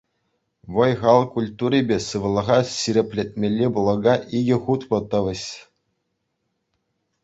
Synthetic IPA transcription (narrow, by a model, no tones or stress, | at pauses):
ʋɤ̆jʁɑlˠkulʲt̪uɾʲibʲesɯʋɤ̆lˠɤ̆ʁɑsiɾʲĕpʲlʲet̚ʲmʲelʲːeblˠɤ̆ɡɑʔiɡʲɘ̆χut̪pɤ̆t̪ɤ̆ʋʲɘ̆ɕ